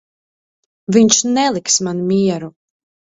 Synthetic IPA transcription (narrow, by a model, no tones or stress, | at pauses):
viɲt͡ʃnɛlˠiksmanumiɛɾu